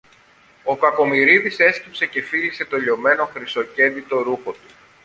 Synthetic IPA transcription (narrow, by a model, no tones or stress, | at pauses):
o̞kɐko̞miɾiðise̞scipse̞ce̞filise̞t̪o̞ʎo̞me̞no̞xɾiso̞ce̞nd̪it̪o̞ɾuxo̞t̪u̥